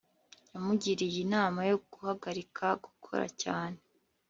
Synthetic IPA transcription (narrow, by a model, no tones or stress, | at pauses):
jamuɟiɾijinaːmajoɡ̥uhaɡaɾikʰaɡu̥kʰo̞̰ɾa̰caːne